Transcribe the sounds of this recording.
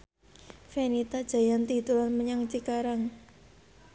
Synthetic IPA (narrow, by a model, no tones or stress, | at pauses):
fenit̪ad̥ʒ̥a̤jant̪it̪ulanməɲaŋt͡ʃikaɾaŋ